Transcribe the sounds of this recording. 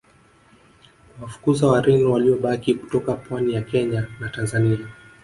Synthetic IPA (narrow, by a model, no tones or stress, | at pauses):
wafu̥kuzawaɾɛniwaliɔɓakiku̥tɔkapwanijakɛɲanatanzania